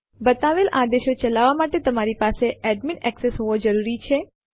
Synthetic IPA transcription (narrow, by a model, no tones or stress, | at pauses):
bət̪aʋelʔad̪eʃot͡ʃəlaʋːamaʈet̪əmaɾipaseʔɛɖminɛksesɦoʋod͡ʒəɾuɾit͡ʃʰe